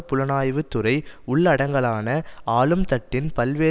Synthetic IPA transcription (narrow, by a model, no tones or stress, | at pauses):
pʊlɐnaːjʋɯt̪ːʊrɐɪʊɭːɐɽɐŋɡɐɭaːnɐaːlɯmt̪ɐʈːɪnpɐlʋeː